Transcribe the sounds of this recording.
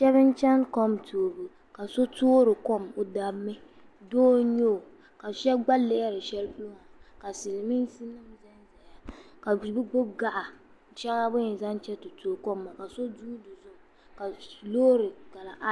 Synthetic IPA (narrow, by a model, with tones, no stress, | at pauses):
ʃɛ˦βɨ˦n˦t͡ʃɛ˦nkɔ˦mtʰuː˨bu˨ | ka˨so˦to˦ɾɨ˨kɔ˦mʊ˨da˨bmɛ˦ | doː˦ɲo˦˨ | ka˨ʃɛ˦ɡ͡ba˦le˦ɾɨ˨ʃɛ˦lpʊ˦lo˦ŋa˨ka˨sɪ˨lɪ˨mi˦n˦si˦nːɨ˦mza˦nzɛ˨a˨ka˨i˨bɨ˦ɡ͡bo˦ɡa˦ʔa˨ | t͡ʃɛ˦ɣa˦bʊ˦˨za˦nt͡ʃɛ˦tʊ˨toː˨kɔ˦mːa˨ka˨so˦duː˦du˨zʊ˦˨ | ka˨loː˦ɾɨ˨ka˨la˨ʔa˦